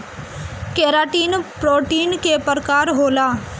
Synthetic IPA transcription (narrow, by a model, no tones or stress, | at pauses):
keːɾaːʈiːnpɾoːʈiːnkepəɾkaːɾɦoːlaː